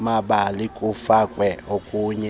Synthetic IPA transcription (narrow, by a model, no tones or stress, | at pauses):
maɓalikʼufakʼwɛokʼuɲɛ